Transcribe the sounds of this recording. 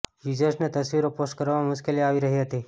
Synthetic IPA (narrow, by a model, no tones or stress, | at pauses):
jud͡ʒəɾsnet̪əsʋiɾoposʈ̚kəɾʋamʊʃkeliaʋiɾəɦiɦət̪i